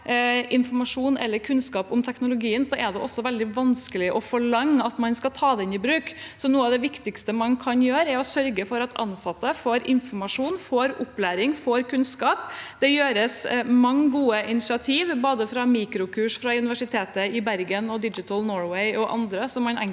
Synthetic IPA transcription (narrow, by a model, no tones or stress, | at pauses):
ʔɪnfɔmɑʂuːnɛ̰lːəɾkʰʉnskɑːpʊmt̪ʰɛknʊlʊɡiːənsɔʔɛd̪ɛʔɔsːɔʋɛld̪ɪʋɑnskəlɪʔɔfɔɭɑŋːəɑt̪mɑnskɑt̪ʰɑːd̪ɛɪnɪbɾʉːksɔnuːəɑʋd̪ɛʋɪkt̪ɪkst̪əmɑnkʰɑnjøːɾɛɾɔsœɾɡəfɔɾɑt̪ʰɑ̰nsɑt̪ːəfoːɾɪnfɔmɑʂuːnfoːɾʊplæːɾɪŋfoːɾkʰʉnskɑːpd̪ɛjøːɾəsmɑŋːɡuːəʔɪnɪsɪɑt̪ʰiːʋboːd̪əfɾɑmiːkɾʊkʰʉːʂfɾɑʉnɪʋæʂɪt̪ʰeːt̪əɪbæɾɡənɔd̪ɪd͡ʒɪt̪ʰəlnoːɹwɛɪʔɔʔɑ̰nd̪ɾəsɔmːɑnɛŋ